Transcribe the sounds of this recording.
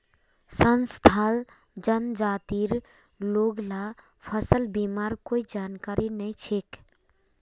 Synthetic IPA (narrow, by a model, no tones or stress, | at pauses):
sənst̪ʰaːl | d͡ʒənd͡ʒaːt̪iːɾ | loːɡla | pʰəsəlbiːmaːɾkoːid͡ʒaːnkaːɾinəĩt͡ʃʰek